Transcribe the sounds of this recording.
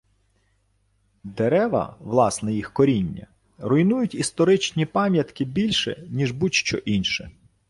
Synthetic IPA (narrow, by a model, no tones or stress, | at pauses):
d̪eɾɛʋɐ̰ʋlˠɑsnɛjixkɔɾʲinʲːɐ̰ | ɾʊjnujʊtʲist̪ɔɾɪt͡ʃnʲipɑmʲjɐt̪kɪbʲilʲʃɛ̰nʲiʒbutʲʃt͡ʃɔʔinʃɛ